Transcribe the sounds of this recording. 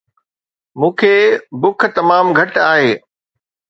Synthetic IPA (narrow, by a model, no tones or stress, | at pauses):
mũːkʰeːbʊk̆ʰt̪ɐmaːmɡʱɐʈaːɦeː